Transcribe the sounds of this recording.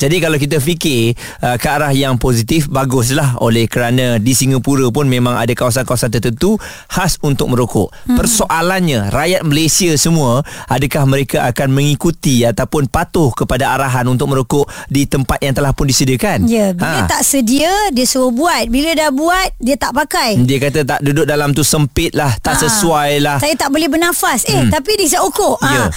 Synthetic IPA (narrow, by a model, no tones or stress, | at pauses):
d͡ʒadikalawkit̪̬afikɪ | əkaːɾahjaŋposit̪ɪfbaɡʊs̬laɦo̰lɛhkəɾanãdisiŋəpuɾəpʊnmẽmãŋa̰dakawas̬ankawasant̪̬ərt̪ənt̪u | hasunt̪ʊk̚mə̃ɾokʊʔpərsoʔalanɲaɾajat̪̚məlesiasəmũəʔadəkahməɾekaʔakanmə̃ŋikut̪iat̪awpʊnpat̪ʊhkəpadaaɾaɦanunt̪ʊk̚məɾokʊʔdit̪əmpat̪̚jaŋt̪əlahpʊndisədiəkanjəbiaət̪aʔsədiədiəsuəbuat̪̚bilədahbuat̪̚diat̪aʔpakajdiəkat̪at̪aʔdudʊk̚dalamt̪usəmpɪt̪̚laht̪aʔsəsuajlaht̪ajt̪aʔbolɛhbənafasɛht̪apidisaʔokoʔə